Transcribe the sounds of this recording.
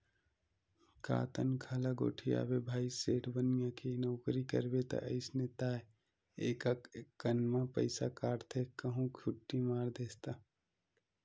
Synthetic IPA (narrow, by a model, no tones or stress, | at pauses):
ka̰ːt̪ənkʰalaɡo̰ːʈʰia̰ːbebʱaːiseːʈbənijãkenɔːkɾikə̰ɾbet̪ɐ̰ʔəɪsnet̪aːe | eːkakːənmãpə̰ɪsakaːɽt̪ʰekəɦũkʰʊʈːimaːɾd̪eːst̪a